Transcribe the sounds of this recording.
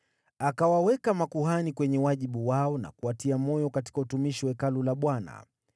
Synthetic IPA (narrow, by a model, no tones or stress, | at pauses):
akawawɛkamakuɦanikwɛɲɛwaʄiɓuwaɔna̰kuatiamɔjɔkati̥kautumiʃiwɛkalulaɓwana̰